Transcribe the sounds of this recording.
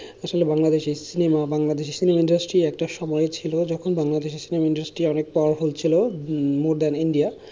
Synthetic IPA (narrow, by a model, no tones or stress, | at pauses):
aʃolebaŋlad̪eʃisinemabaŋlad̪eʃesinemaiɳɖasʈɾiɛk̚ʈaʃɔmɔeet͡ɕʰilod͡ʑɔkʰonbaŋlad̪eʃesinemaiɳɖasʈɾiɔnek̚pɔwaɾfolt͡ɕʰilomoɾd̪aniɳɖia